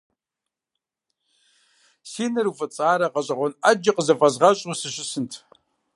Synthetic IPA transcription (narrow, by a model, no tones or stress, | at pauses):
siːnɨɾufɨt͡sʼaːɾɐqɐɕʼɐʁʷɔnɐd͡ʒɐqʼəzɐfʼɐzʁɐɕʼusɨɕɪsɨntʰ